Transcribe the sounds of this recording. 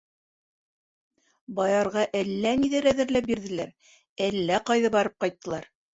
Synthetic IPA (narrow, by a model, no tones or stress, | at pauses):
bɑjɑɾʁɑʔælːæniðɘɾæðɘ̆ɾlæp̚biɾðɘ̆læɾ | ælːæqɑjðɑbɑɾɤp̚qɑjt̪ːɤ̆lˠɑɾ